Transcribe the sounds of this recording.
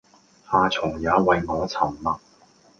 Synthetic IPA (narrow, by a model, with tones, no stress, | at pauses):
haː˨˧t͡sʰʊ˨˩ŋjaː˨˥wɐ˨jŋɔː˨˧t͡sʰɐ˨˩mlɐ˨k̚